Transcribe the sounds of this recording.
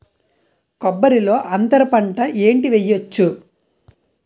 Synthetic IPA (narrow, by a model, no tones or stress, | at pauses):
kɔbːɐɾilo̞ːʔɐnt̪ɐɾɐpɐɳʈɐʔe̞ːɳʈiʋejːot͡ʃːu